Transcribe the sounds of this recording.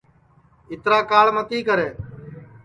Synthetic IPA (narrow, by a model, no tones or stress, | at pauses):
ɪt̪ɾaːkaːɭmət̪iːkəɾeː